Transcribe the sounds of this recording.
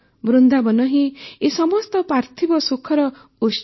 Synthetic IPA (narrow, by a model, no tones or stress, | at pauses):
bɾund̪abɔnɔɦĩesɔmɔst̪ɔpɾaɾt̪ʰibɔsukʰɔɾɔ | us